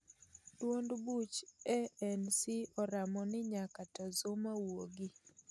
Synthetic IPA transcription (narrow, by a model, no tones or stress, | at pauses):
twondbut͡ʃɛɛnsiɔɾamɔnɪɲakatɔzomawoɡi